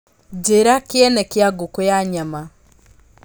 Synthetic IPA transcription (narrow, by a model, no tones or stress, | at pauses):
d͡ʒeɾakjɛnɛkjaɡokojaɲama